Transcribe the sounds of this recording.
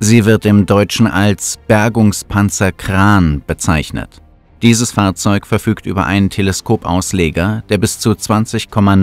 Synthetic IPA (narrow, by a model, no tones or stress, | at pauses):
ziːvɪɐt̚d̥eːmdɔʏt͡ʃn̩ʔalsb̥ɛɐɡʊŋspʰant͡sɐkʁ̥aːnb̥ət͡saɪçnə̰t | d̥iːzəsfaːɐt͡sɔʏkfɛɐfyːktʔy̰ːbɐ̰ʔa̰ɪnəntʰeləskʰoːpʔa̰ʊsleːɡɐd̥eːɐbɪst͡sut͡sv̥ant͡sɪçkʰɔman